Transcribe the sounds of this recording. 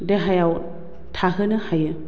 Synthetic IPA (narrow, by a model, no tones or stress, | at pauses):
deɦajaw | tʰaɦɯnɯhajɯ